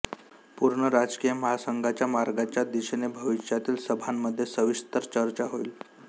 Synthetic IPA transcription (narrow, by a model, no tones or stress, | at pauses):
puɾɳəɾad͡zkijəməɦasəŋɡʱat͡ɕjamaɾɡat͡ɕjad̪iɕnebʱəʋiɕjat̪iːlsəbʱamːəd̪ʱːjesəʋist̪əɾt͡ɕəɾt͡ɕaɦoil